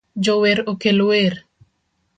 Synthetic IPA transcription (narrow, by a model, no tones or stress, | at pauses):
d͡ʒoweɾokelweɾ